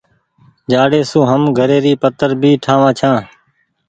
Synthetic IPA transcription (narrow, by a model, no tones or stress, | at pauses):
d͡ʒaːɽeːsũːɦəmɡʱəɾeːɾiːpət̪əɾbʱiːʈʰaːʋãːt͡ʃʰãː